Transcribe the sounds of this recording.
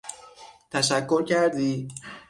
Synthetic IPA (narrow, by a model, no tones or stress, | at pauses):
t̪ʰæʃækʰːo̞ɾcʰæɾd̪iː